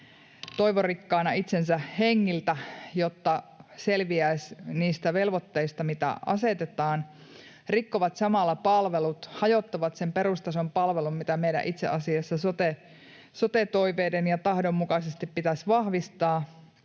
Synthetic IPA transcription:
t̪o̞iʋorikːɑːnɑit̪sensæheŋːilt̪æjot̪ːɑselʋiæsʲniːst̪æʋelʋot̪ːeist̪ɑmit̪æ̰ɑ̰set̪et̪ɑːn | rikːoʋɑt̪sɑmɑlːɑpɑlʋelut̪hɑjot̪ːɑʋɑt̪sempeɾust̪ɑsompɑlʋelummit̪æmejɾæ̰ʔit̪sḛʔɑsiɑsːɑsot̪e | sot̪et̪oiʋeːdenjɑt̪ɑhdomːukɑsest̪ippit̪æsʋɑhʋist̪ɑː

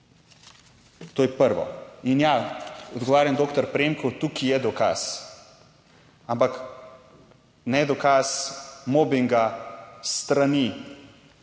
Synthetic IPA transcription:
t̪oːjɛpəɾʋɔ̰injaɔd̪ɡɔʋaːɾjamd̪oːkt̪ɔɾpɾemkɔwt̪ukijɛd̪ɔka̰s | ampak | nɛd̪ɔkasmoːbiŋɡast̪ɾani

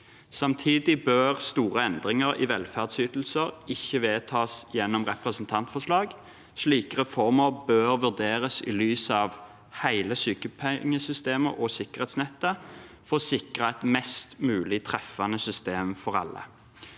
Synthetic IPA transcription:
sɑmt̪ʰiːd̪ɪbøːʁst̪uːʁəɛnd̪ʁɪŋəʁɪ̰ʋɛlfæʁd̪syːt̪l̩səʁɪçːəʋeːt̪ʰɑːsjɛnːɔmʁɛpʁəsnt̪ʰɑnt̪fɔʂlɑːɡ | sliːkəʁɛfɔʁməʁbøːʁʋʉʁd̪eːʁəsɪ̰lyːsɑʋ | hæɪləsyːkəpʰɛŋːəsʏst̪eːməʁʔɔsɪkəʁeːt̪snɛt̪ːə | fosɪkʁəɛt̪mɛst̪mʉːlɪt̪ʰʁɛfɑnəsʏst̪eːmfɔʁɑ̰lːə̰

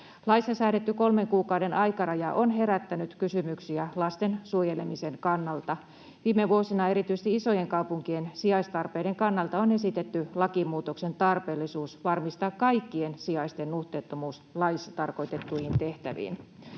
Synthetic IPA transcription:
lɑisːɑsæːɾet̪ːyko̞lmeŋkuːkɑwde̞nʔɑjkɑrɑjɑʔonɦe̞ɾæt̪ːænyt̪kysymyksiælɑst̪ensuojelemiseŋkɑnːɑlt̪ɑ | ʋiːmːeʋuosinɑe̞ɾit̪yjst̪iiso̞jeŋkɑwpuŋkiensiɑist̪ɑrpeideŋkɑnːɑlt̪ɑone̞sit̪et̪ːylɑkimuːt̪oksent̪ɑrpeːlːisuːsʋɑrmist̪ɑːkkɑikːiensiɑist̪enːuht̪eːt̪ːomuːs | lɑisɑt̪ɑrko̞jt̪et̪ːuihint̪eht̪æ̰ʋḭːn

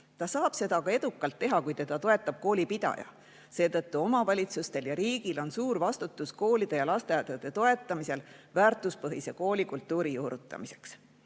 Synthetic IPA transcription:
t̪ɑsɑːb̥se̞d̪ɑkɑe̞d̪ukːˑɑlt̪ːe̞ɦɑkujt̪e̞d̪ɑt̪o̞e̞t̪ːˑɑb̥̚ko̞ːlipid̪̥ɑ̰jɑ̰ | se̞ːt̪ɤt̪ːuo̞mɑvɑlʲit̪sust̪e̞ljɑɾiːɡ̥ilo̞nsuːɾvɑst̪ut̪ːˑusko̞ːlid̪̥e̞jɑlɑst̪eɑt̪ːɑd̪̥e̞t̪o̞e̞t̪ːˑɑmise̞lvæːrt̪ːˑuspɤɦise̞ko̞ːlʲikult̪ːˑuːɾijuːɾut̪ːˑɑ̰mise̞̥ks

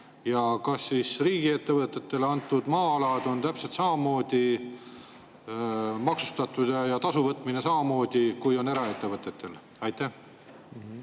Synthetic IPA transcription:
jɑkɑsːisriːɡie̞t̪ːe̞vɤt̪ˑːe̞t̪ːe̞lɑnt̪ːˑud̪̥mɑːɑlɑd̪o̞nt̪æpse̞lt̪sɑmɑmo̞ːd̪̥i | mɑksu̥st̪ɑt̪ːˑud̪̥ɑjɑt̪ɑsuvɤt̪ːˑminesɑmɑmo̞ːd̪̥ikujo̞ne̞ɾɑe̞t̪ːe̞vɤt̪ːˑet̪ːe̞l | ɑjt̪ːæh

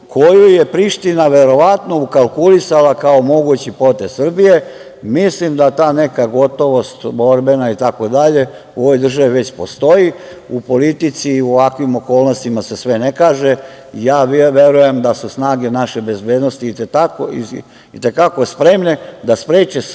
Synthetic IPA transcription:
kʰo̞jujepɾiʃt̪inaʋe̞ɾo̞ʋat̪no̞ukalˠkulisalakao̞mo̞ɡut͡ɕipo̞t̪essr̩bije̞ | mislimd̪at̪aːne̞kaɡo̞t̪o̞ʋo̞st̪bo̞ɾbe̞nait̪ako̞d̪aʎe̞ | uo̞ʋojd̪r̩ʒaʋiʋe̞t͡ɕpo̞st̪o̞ji | upo̞lit̪it̪siuoʋakʋimo̞ko̞ːlˠnost̪imase̞sʋene̞kaːʒe | ijaːʋʋe̞ɾuje̞md̪asusnaːɡenaʃebe̞zbe̞ːd̪nost̪iːt̪et̪akoḭ | it̪e̞kakospɾe̞mned̪aspɾeːt͡ɕe

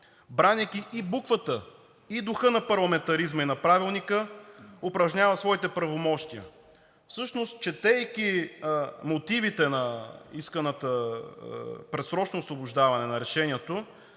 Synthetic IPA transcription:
bɾanʲikʲiʔːbukvət̪ə | id̪ʊxɤnɐpɐɾlˠɐmɛnt̪ɐɾizmɐinɐpɾavilˠnikəopɾɐʒɲʲavɐsvɔit̪ɛpɾɐvomɔʃt̪iə̰ | fsɤʃnost̪̚t͡ʃɛt̪ɛːjkʲi | mot̪ivit̪ɛnɐiskɐnət̪ə | pɾɛt̪sɾɔt͡ʃnoːsvobʊʒd̪avɐnɛnɐɾɛʃɛniɛt̪o

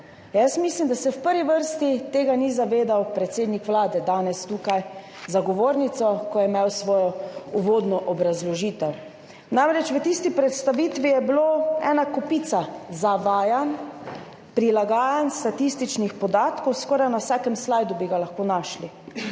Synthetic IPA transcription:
jasmislimd̪asɛwpəɾʋiʋəɾst̪it̪eːɡanizaʋeːd̪awpɾɛt̪seːd̪nikʋlaːd̪ɛd̪aːnɛst̪uːkaj | zaɡɔʋoːɾnit̪sɔkɔjɛmewsʋɔːjɔuʋoːd̪nɔʔɔbɾazlɔʒiːt̪ɛw | namɾɛt͡ʃʋət̪ist̪ipɾɛt̪st̪aʋiːt̪ʋijɛbiloɛːnakɔpit̪sazaʋaːjan | pɾilaɡaːjanst̪at̪ist̪it͡ʃnixpɔd̪aːt̪kɔwskɔːɾajnawsaːkɛmslajd̪ubiɡalaxkoːnaːʃli

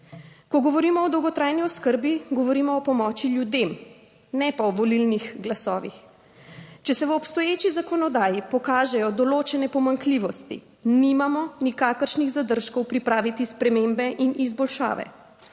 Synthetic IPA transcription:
kɔɡɔʋɔɾimɔɔd̪ɔwɡɔt̪ɾaːjniɔskəɾbiɡɔʋɔɾiːmɔːpɔmɔːt͡ʃiljud̪em | nɛpaɔʋɔlilnixɡlasɔ̰ːʋḭx | t͡ʃɛsɛʋɔpst̪ɔjeːt͡ʃizakɔnɔd̪aːjipɔkaːʒɛjɔd̪ɔloːt͡ʃɛnɛpɔmaŋkliʋɔst̪ḭ | nimamɔnikaːkəɾʃniɣzad̪əɾʃkɔwpɾipɾaːʋit̪ispɾɛmembɛʔinizbɔlʃa̰ːʋɛ̰

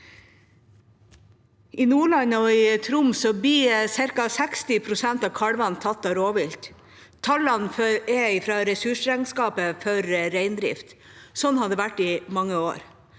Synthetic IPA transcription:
ɪnuːɭɑnɔɪt̪ʰɾʊmsɔbiːsɪɾkɑsækst̪ɪpʰɾʊsɛnt̪ɑːʋkʰɑɽʋɑnt̪ʰɑt̪ːɑːɾoːʋɪlt̪ | t̪ʰɑlːɑnfœɛɪfɾɑːɾɛsʉʂɾɛŋskɑːpəfœɾːæɪnd̪ɾɪ̰ft̪sɔnːhɑd̪əʋæʈːɪmɑŋːəoːɾ

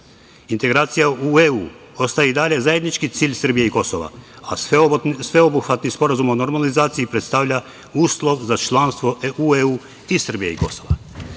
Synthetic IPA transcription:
int̪e̞ɡɾaːt̪sijaueuː | o̞st̪ajeid̪aʎe̞zaje̞d̪nit͡ʃkit̪siːʎsr̩bijeiko̞soʋa̰ | asʋeobuxʋat̪nispo̞ɾazumo̞no̞ɾmalizaːt̪sijipɾe̞t̪st̪aʋʎa | uːslˠo̞ʋzat͡ʃlˠanst̪ʋo̞ueuː | isr̩bijeḭko̞so̞ʋa

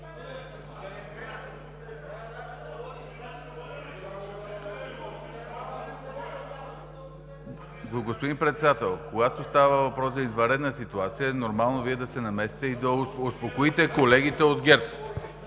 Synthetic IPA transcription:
ɡɡospod̪impɾɛt̪sɛd̪at̪ɛlˠkoɡat̪ost̪avəvɐpɾɔszɐizvɐɾɛd̪nəsit̪uat̪sijənoɾmalˠnoviɛd̪ɐsɛnɐmɛsi̥t̪ɛid̪ɐospokoit̪ɛkolɛɡ̟it̪ɛod̪ɡʲɛɾp

